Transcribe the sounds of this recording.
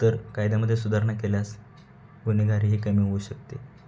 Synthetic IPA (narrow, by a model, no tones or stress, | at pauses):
t̪əɾkajd̪aməd̪ʱːjesud̪ʱaɾɳakeljas | ɡuniɡʱaɾiːɦiːkəmiːouːɕək̚t̪e